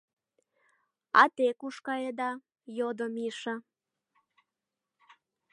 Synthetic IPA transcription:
ɑ̰t̪ekuʃkɑjed̪ɑ | jod̪omiʃə̆

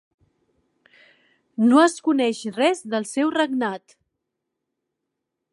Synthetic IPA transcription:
noəskunɛʃrɛzðəlˠsɛwrəɡnat̪

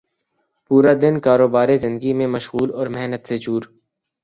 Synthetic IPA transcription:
puːɾad̪ɪnkaːɾoːbaːɾezɪ̃nd̪əɡimẽmɐʃɣuːlɔːɾmɛɦnət̪set͡ʃuːɾ

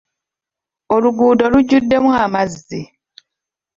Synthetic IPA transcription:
o̞luɡuːdo̞luɟːudːe̞muamazːi

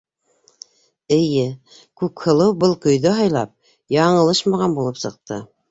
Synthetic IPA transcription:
ɘ̆jɘ | kʉkhɤ̆lˠɤwbɤlˠkɵ̆jðɵɦɑjlˠɑp̚ | jɑɴɤ̆lˠɤʃmɑʁɑnbulˠɤpsɤ̆q̚t̪ɤ

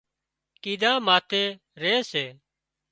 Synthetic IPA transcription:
kiːd̪ãːmaːt̪ʰeː | ɾeːseː

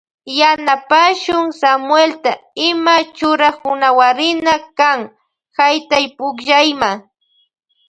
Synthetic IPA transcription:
janapaʃʊŋsamwelt̪aɪmat͡ʃʊɾahʊnawaɾɪnakaŋ | hajt̪ajpʊkʒajma

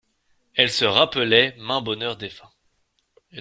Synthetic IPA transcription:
ɛlsəʁapəlɛmɛ̃bɔnœʁd̪efɛ̃ | ɛ

